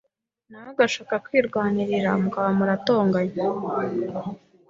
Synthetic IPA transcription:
nawoɡaʃaːkakwiːɾɡwaːniɾiɾamukaβamuɾato̞ːŋɡaɲ

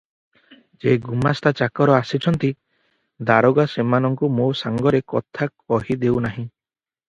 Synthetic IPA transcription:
d͡ʒeɡumast̪at͡ʃakɔɾɔasit͡ʃʰɔnt̪i | d̪aɾɔɡasemanɔŋkumosaŋɡɔɾekɔt̪ʰak̚ɔɦid̪ewnaɦĩ

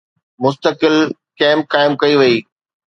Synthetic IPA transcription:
mʊs̬t̪əkɪlkɛ̃ːmp̚kaːɪmkɐiʋɐiː

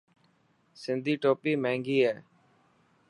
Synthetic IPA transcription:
sɪnd̪ʱiːʈoːpiːmɛ̃ːŋɡiːɦɛː

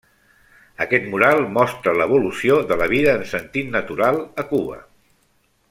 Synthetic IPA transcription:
əkɛt̪muɾalˠmɔst̪ɾələβ̞ulusioðələβ̞iðəːnsənt̪it̪nət̪uɾalˠəkuβə̰

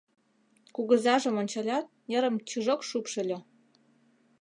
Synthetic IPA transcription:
kuɣə̆zɑʒə̆monʲt͡ɕɑlʲɑt̪̚jəɾə̆mt͡ɕuʒokʃupʃɤ̆lʲo

